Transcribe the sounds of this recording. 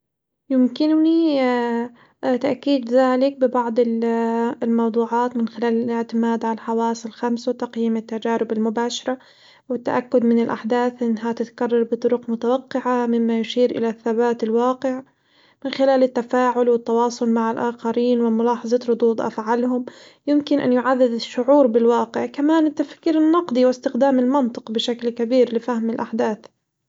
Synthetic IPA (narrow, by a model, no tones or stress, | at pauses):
jɪmkɪnni | t̪aʔkiːd̪ðaːlɪk̚bɪbɑʕd̪ˤɪl | lmɑwd̪ˤuːʕɑːt̪mɪnxɪlaːlɪlɪʕt̪ɪmaːd̪ʕaaħɑwaːsˤɪlxamsawt̪ɑqjiːmɪt̪ːad͡ʒaːɾɪbɪlmʊbaːʃɑɾˤɑ | wɪt̪ːa̰ʔakːʊd̪mɪnɪlʔaħd̪aːθʔɪnːɦat̪ɪt̪karˤːɑɾˤbɨt̪ˤʊɾʊqmʊt̪awaqːɪʕamɪmːajʊʃiːɾʔɪ̰laθːabaːt̪ɪlwɑːqɪʕ | mɪnxɪlaːlɪt̪ːafaːʕʊlwɪt̪ːɑwɑːsˤʊlmaʕɪlʔaːxɑɾiːnwɪmʊlɑːħɑzˤɑt̪ɾʊd̪ˤuːd̪ˤʔa̰fʕalɦʊm | jɪmkɪnʔa̰njʊʕaðːɪd̪ɪʃːʊʕuːɾbɪlwɑːqɪʕkamaːnɪt̪ːafkiːɾɪnːɑqd̪ˤiwɪst̪ɪxd̪aːmɪlmɑnt̪ˤɨ̥qbɪʃaklkabiːɾlɪfahmɪlʔaħd̪aːθ